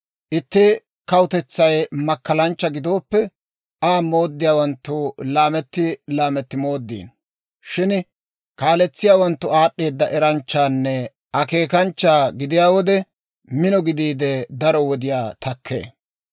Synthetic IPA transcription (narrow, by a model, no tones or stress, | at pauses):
ʔɪt̪ːɪ | kɐwʊt̪ɛt͡sːɐjmɐkːɐlɐnt͡ʃːɐɡɪd̪o̞ːpːɛ | aːmo̞ːd̪ːɪjaːwɐnt̪ːʊlaːmɛt̪ːɪlaːmɛt̪ːɪmo̞ːd̪ːḭːn | ʃɪn | kaːlɛt͡sːɪjaːwɐnt̪ːʊaːɗːe̞ːd̪ːɐʔɛɾɐnt͡ʃːaːnːɛ | ʔɐke̞ːkɐnt͡ʃːaːɡɪd̪ɪjaːwɔd̪ɛ | mɪnɔɡɪd̪iːd̪ɛd̪ɐɾɔwɔd̪ɪjaːt̪ɐkʰːḛː